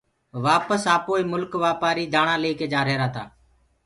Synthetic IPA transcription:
ʋaːpəsaːpoːiːmʊlkʋaːpaːɾiːd̪aːɳaːleiːkeːd͡ʒaːɾeːɾaːt̪aː

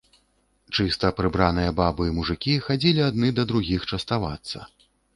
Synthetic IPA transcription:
t͡ʂɨst̪ɐpɾɨbɾanɨjɐbabɨimuʐɨkʲixad͡zʲilʲiad̪nɨd̪ɐd̪ɾuɣʲixt͡ʂɐst̪ava̰t̪sːɐ̰

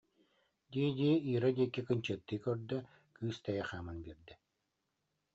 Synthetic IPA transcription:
d̪iɛd̪ʲiɛiːɾad̪ʲiɛkːikɯɲt͡ɕɯːt̪ːɯːkœɾd̪œ | kɯːst̪ɛjɛχaːmɯnbiɾd̪ɛ

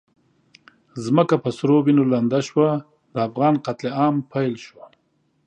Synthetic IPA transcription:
zməkapəsɾobinoland̪aʃwa | d̪əafɣɑːnqat̪leɑmpʰajlʃwa

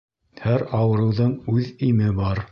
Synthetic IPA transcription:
hæɾɑwɤ̆ɾɤ̆wðɤɴʉðimɘbɑɾ

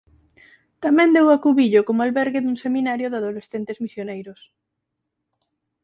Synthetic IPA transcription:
t̪amɛ̃nd̪ewakuβiʎokomalβɛɾɣɪðuŋseminaɾjʊðaðolesθent̪ezmisjonejɾʊs

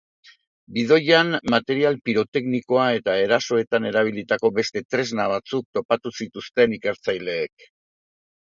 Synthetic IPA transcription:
biðo̞janmat̪e̞ɾialpiɾo̞t̪e̞kniko̞ae̞t̪ae̞ɾaso̞e̞t̪ane̞ɾaβ̞ilit̪ako̞be̞st̪e̞t̪ɾe̞znaβ̞at͡suk̚t̪o̞pat̪usit̪ust̪e̞nike̞ɾt͡sajle̞ːk̚

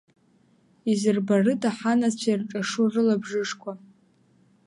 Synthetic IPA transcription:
izɨrbarɨtʼaħanat͡ɕʷʰairʈ͡ʂʼaʂurɨlabʐɨʂkʷʰa

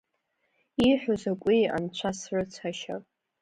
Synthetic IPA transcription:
iħʷᶣozakʷʼia̰nt͡ɕʷʰasrɨt͡sʷʰaʃa

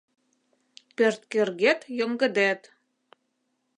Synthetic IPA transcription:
pørt̪kerɣet̪jɤ̆ŋɡɤ̆d̪æt̪

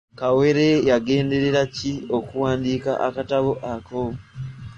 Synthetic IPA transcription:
kawe̞ɾe̞jaɡe̞ːnde̞ɾeɾacio̞kuwaːndiːka̰ʔakataβoʔako

